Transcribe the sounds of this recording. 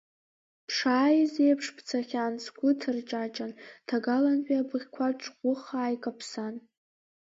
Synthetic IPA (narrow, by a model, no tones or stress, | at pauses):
pʰʂaːjizejpʰʂpʰt͡sʰaχʲansɡʷʊtʰɨrt͡ʃʼat͡ʃʼantʰaɡalanħiabɨʁʲkʷʰaʈ͡ʂʰʼχʷʊχaːjkʼapʰsan